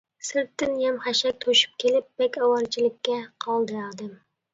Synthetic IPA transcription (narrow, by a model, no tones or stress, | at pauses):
sɨɾt̪ːɪnjɛmχæʃɛk̚ʲt̪ʰoʃɪ̥p̚kʲʰelɪp̚bɛkʲɑwɑɾt͡ʃʰilɪkʲʰːɛqʰɑlˠd̪ɨɾad̪ɨm